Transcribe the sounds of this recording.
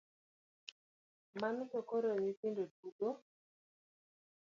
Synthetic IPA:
mankokoɾonipindoduɡo

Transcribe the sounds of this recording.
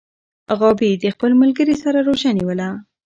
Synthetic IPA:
ɣɑbid̪əxpəlmalɡəɾisaɾaɾoʒaniwəla

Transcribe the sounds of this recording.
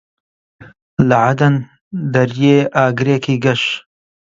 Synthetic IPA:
lɐʕad̪ɐn | d̪ɐɾjeːʔaːɡɨɾeːkʰiːɡɐʃ

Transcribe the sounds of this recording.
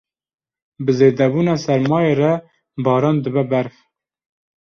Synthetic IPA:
bəzeːd̪ɛbuːnɑːsɛɾmɑːjerɛ | bɑːɾɑːnd̪əbɛbæɾf

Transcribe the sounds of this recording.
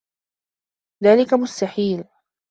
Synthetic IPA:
ðaːlɪkamʊst̪aħiːl

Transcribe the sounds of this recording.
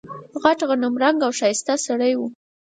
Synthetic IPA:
ɣaʈɣanʊmɾaŋɡawʃɑjɪst̪asaɽəjwu

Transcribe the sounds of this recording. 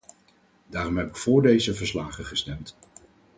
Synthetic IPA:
daːɾɔmɦɛbɪkfʊːɹdejzəvəɹslaːχəχəstɛmt

